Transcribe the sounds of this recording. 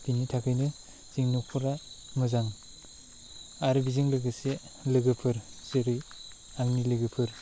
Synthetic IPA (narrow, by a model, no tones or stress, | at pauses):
binitʰakʰɯjnɯ | z̥iŋnuk̚pʰɯɾa | mɯzaŋ | aɾbiziŋlɯɡɯse | lɯɡɯpʰɯɾseɾɯj | aŋnilɯɡɯpʰɯɾ